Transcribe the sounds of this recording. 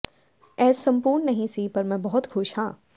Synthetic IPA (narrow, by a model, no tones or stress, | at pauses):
ɛːsːɐ̃mpuːɾnːɐɦĩsipɐɾmɛ̃bɔɦʊt̪xʊʃhãː